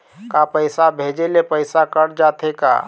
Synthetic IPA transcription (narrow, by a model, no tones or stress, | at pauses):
kapəɪsabʱed͡ʒelepəɪsakəɾd͡ʒat̪eka̰